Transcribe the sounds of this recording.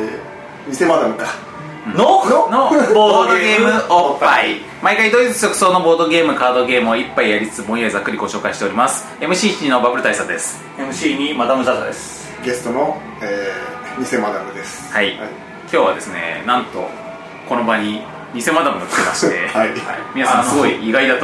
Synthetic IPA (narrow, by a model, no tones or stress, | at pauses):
ɲ̟ise̞mad̪amɯ̟kã | nonnoboːd̪od̪oɡe̞ːmɯ̟oai | maikaid̪oizɨt͡sɨ̥sʲo̞kɯ̟so̞ːno̞bo̞ːd̪o̞ɡe̞ːmɯ̟kaːd̪o̞ɡe̞ːmɯ̟oipːaijaɾʲit͡sɨ̥t͡sɨbõ̞ɰ̃jaizakːɯ̟ɾʲiɡo̞ɕo̞ːkaiɕi̥t̪eo̞ɾʲimasɨ̥ | e̞mɯ̟ɕiːtiino̞babɯ̟ɾɯ̟t̪aisakɯ̟d̪e̞sɨ̥ | emɯ̟ɕiːɲ̟imad̪amɯ̟zat̪ad̪e̞sɨ̥ | ɡe̞st̪ono | eː | ɲ̟ise̞mad̪amɯ̟d̪esɨ̥hai | kʲo̞ːβa̰d̪e̞sɨne̞̰nãnt̪o̞̰ | ko̞no̞baɲ̟i | ɲ̟ise̞mad̪amɯ̟nokʲi̥t̪ema̰ɕi̥t̪e̞̰amʲinasãsɨɡso̞iiɡaid̪at̪o